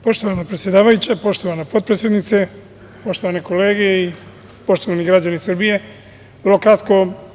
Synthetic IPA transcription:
po̞ʃt̪oʋanapɾet̪sje̞d̪aːʋajut͡ɕapo̞ʃt̪oʋanapo̞d̪̚pɾesjed̪nit̪se | po̞ʃt̪o̞ʋaneko̞le̞ːɡei | po̞ʃt̪oʋaniɡɾad͡ʑanisrbije̞ | ʋr̩lo̞kɾat̪ko̞

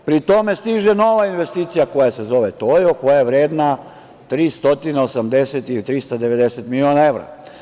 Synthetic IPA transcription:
pɾit̪o̞me̞st̪iʒeno̞ʋainʋe̞st̪iːt̪sijako̞jase̞zo̞ʋet̪ojoko̞jajeʋɾe̞ːd̪na | t̪ɾiːst̪o̞t̪ineosamd̪e̞set̪ilit̪ɾist̪ad̪e̞ʋe̞d̪e̞set̪milionae̞ʋɾa̰

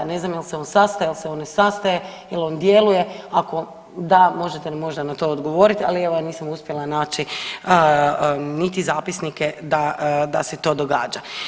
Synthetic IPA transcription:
ne̞znamjelseo̞nsast̪ajelˠseo̞nnesast̪ajejilo̞nd̪je̞luje̞ako̞ | d̪amo̞ʒet̪enmo̞ʒd̪anat̪o̞od̪ɡo̞ʋo̞ːɾit̪alieʋoaniːsamuspjelanaːt͡ʃiə | nit̪izaːpisniked̪ad̪a̰set̪o̞ːd̪o̞ɡa̰ːd͡ʒa

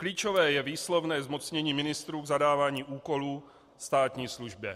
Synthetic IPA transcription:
kliːt͡ʃovɛːjɛviːslovnɛːzmo̞t͡sɲɛɲiːmɪnɪst̪ɾuːɡzadaːvaːɲiːʔuːko̞luː | st̪aːt̪ɲiːsluʒbjɛ

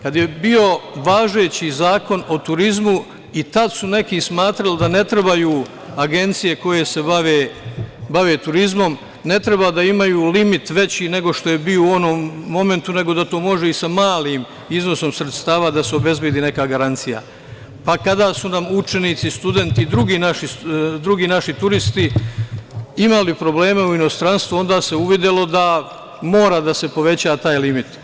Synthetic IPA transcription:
kad̪je̞bio̞ʋaːʒe̞ːt͡ɕizaːko̞no̞t̪uɾizmu | it̪ad̪sune̞kismaːt̪ɾald̪ane̞t̪ɾebajuː | aɡe̞nt̪sije̞ko̞je̞se̞baʋeːbaʋeːt̪uɾizmo̞m | ne̞t̪ɾebad̪aimajuːlimit̪ʋe̞t͡ɕiːne̞ɡo̞ʃt̪o̞je̞biouo̞nomːo̞me̞nt̪une̞ɡo̞d̪at̪o̞ːmo̞ʒeisamaːliːm | izno̞so̞msɾet̪st̪aːʋad̪aseo̞be̞zbjed̪iːne̞kaːɡaɾant̪sija̰ | pakad̪aːsunamut͡ʃe̞niːt̪sist̪ud̪e̞nt̪id̪ɾuɡiːnaʃid̪ɾuɡiːnaʃit̪uɾist̪i | imalipɾo̞ble̞ːme̞uino̞st̪ɾanst̪ʋuo̞nd̪aːse̞uʋid̪elo̞d̪a | mo̞ːɾad̪ase̞po̞ʋe̞t͡ɕaːt̪aːjlimit̪

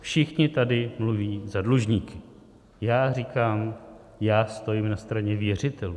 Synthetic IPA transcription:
fʃɪxɲɪt̪adɪmluviːzadluʒɲiːkɪ̥ | jaːrikaːm | jaːst̪o̞jimnast̪ɾaɲɛvjɛr̝ɪt̪ɛlu

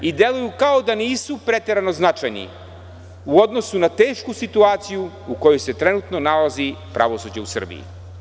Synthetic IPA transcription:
id̪e̞lujukaod̪aniːsupɾet̪e̞ɾano̞znat͡ʃajnḭ | uo̞d̪nosunat̪e̞ːʃkusit̪uaːt̪siju | uko̞jojse̞t̪ɾenut̪no̞nalazipɾʔa̰ʋo̞sud͡ʑeusr̩bḭjḭ

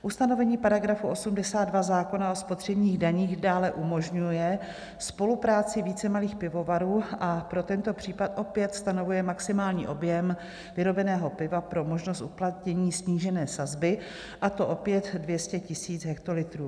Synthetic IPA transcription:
ʔust̪ano̞vɛɲiːpaɾaɡɾafuʔo̞sumdɛsaːd̪dvazaːko̞nao̞spot̪r̝̥ɛbɲiːɣdaɲiːɣdaːlɛʔumo̞ʒɲujɛ | spo̞lupɾaːt͡sɪviːt͡sɛmaliːxpɪvo̞vaɾuːʔapɾo̞t̪ɛnt̪o̞pr̝̥iːpat̪ʔo̞pjɛt̪st̪ano̞vujɛmaksɪmaːlɲḭːʔo̞bjɛm | vɪɾo̞bɛnɛːɦo̞pɪvapɾo̞mo̞ʒnost̪uplat̪ɲɛɲiːsɲiːʒɛnɛːsazbɪ | ʔat̪o̞ʔo̞pjɛt̪dvjɛscɛcɪsiːt͡sɦɛk̚t̪o̞lɪt̪ɾuː

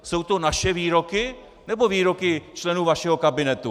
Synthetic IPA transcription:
so̞wt̪o̞naʃɛviːɾokɪ | nɛbo̞viːɾo̞kɪt͡ʃlɛnuːvaʃɛɦokabɪnɛt̪u

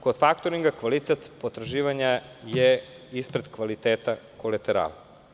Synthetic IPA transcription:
kod̪̥fakt̪oɾiŋɡakʋalit̪et̪pot̪ɾaʒiːʋaɲaje | ispɾed̪kʋalit̪eːt̪akolet̪eɾa̰lˠ

